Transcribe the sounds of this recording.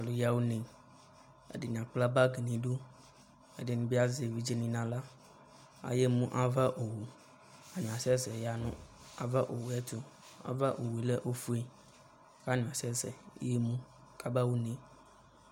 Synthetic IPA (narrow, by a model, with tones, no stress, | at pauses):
a˨lo˨ja˦wu˦nẽ˨ | ḛ˦de˨nĩ˨ã˨k͡pla˦ba˦ɡe˨nĩ˨ɖu˦ | e˦de˨nĩ˨bi˦a˦ze˨vi˦d͡ʒe˦nĩ˨nã˨la˦ | a̰˨je˦mũ˦ʔa˦va˦ʔo˨wu˨ | a˨nũ˨a˨sɛ˦zɛ˨ja˨nṵ̃˦ | a̰˨va˦ʔo˨wu˨ɛ˦t̪o˦ | a̰˨va˦ʔo˨wu˨e˨le˦ʔo˦fu˦e˨ | ka˦nũ˨a˨sɛ˦zɛ̰˨˦je˦mũ˦ | ka˦ba˦wu˦nẽ˨